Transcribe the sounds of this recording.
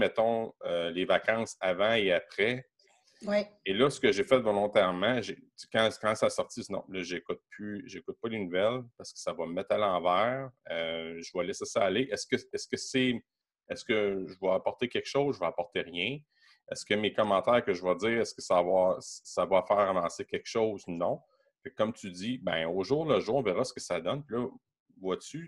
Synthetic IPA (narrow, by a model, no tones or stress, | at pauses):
mɛt̪ɔ̃ølevakɑ̃ːsavãeapχɛ | welʌsə̥kəʒefɛt̪vɔlɔ̃t̪ɛʁmãʒekɑ̃kɑ̃sasɔʁtt͡sisnɔ̰̃lʌʒekʊt̪̚pʰyʒekʊt̪̚pʌlenuvɛlpaʁsə̥kə̥savʌməmɛt̪χalɑ̃væːʁøʒəvʌlɛsɛsaːleʔɛskəɛskəsɛ | ɛskəʒəvɔapɔʁt̪ekʲɛkʃoʊzʒəvɔapɔʁt̪eʁjɛ̃ | ɛskəmekɔmɑ̃t̪ɛːʁkəʒəvɔd͡ziːʁɛskəsavwassavafɛːʁavɑ̃ːsekʲɛkʃɔʊznɔ̃ | fɛkːɔmt̪yd͡z̪ibɛ̰̃oʒuːʁləʒuːʁɔ̃vɛʁasə̥kə̥sad̪ɔnpilʌ | vwat͡s̪y